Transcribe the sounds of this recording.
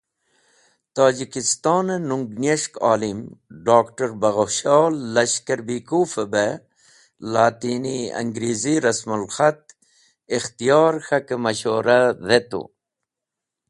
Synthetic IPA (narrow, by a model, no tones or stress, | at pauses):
t̪aːd͡ʑikist̪ɑːnenuŋɡneʂkaːlimɖaːkʈɐɾbɐɣoɕɑːlːɐɕkɐɾbikufəbe | laːt̪iniɐ̰ŋɡɾiːziɾɐsmulxɐt̪̚ | ixt̪ijɑːɾxɐkemɐɕoːɾaðet̪ṵ